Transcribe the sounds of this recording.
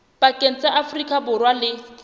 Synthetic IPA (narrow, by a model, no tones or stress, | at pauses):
b̥akʼen̩t͡sʼaʔafrikʼabʊrwalɪ